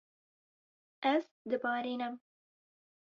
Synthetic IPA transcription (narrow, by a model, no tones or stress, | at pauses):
az | d̪əbɑɾinam